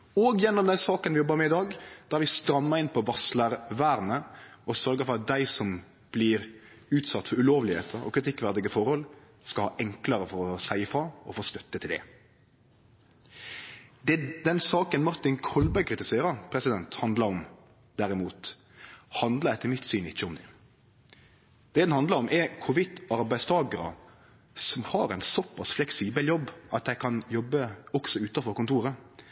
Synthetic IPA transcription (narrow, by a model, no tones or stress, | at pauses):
oːɡjɛnːɔmd̪ɛnsɑːkənʋɪjɔbːəɾmɛɪd̪ɑːɡd̪̥æːæɾʋɪst̪ɾɑmːəɾɪnpʰɔʋɑsləɾʋæːɾnəɔsœɾɡəfɔɾɑt̪̚d̪æɪsɔm | b̥lɪɾ | ʉːt̪sɑt̪ːfɔɾʉloːʋlɪhḛːt̪ʰəɾɔ̰kʰɾɪt̪ʰɪkːʋæʁd̪ɪɡəfɔɾhɔl | skɑlhɑ̰ːʔɛŋkləɾəfɔɾɔsæɪfɑɔfoːst̪œt̪ːət̪ʰɪld̪ɛ̰ | d̪d̪ɛnsɑːkənmɑɾt̪ɪnkʰɔlbæɪkʰɾɪt̪ɪseːɾɑɾpʰɾɛsɪd̪ɛnt̪hɑnd̪lɑɾɔm | d̪̥æɾɪmuːt̪ | hɑnd̪lədɛɪt̪ʰɪlmɪt̪syːnɪçːəɔmd̪ɛ | d̪̥ɛd̪ɛnhɑnd̪ləɑɾɔmʔɛɾkʰʊʋɪd̪ɑɾbæɪdst̪ʰɑːɡəɾə̰ | sɔmhɑɾæɪnsɔpʰːɑsflɛksiːbəljɔbːʔɑt̪̚d̪æɪkʰɑnjɔbːəɔksɔʉːt̪ɑfɔɾkʊnt̪ʰuːɾə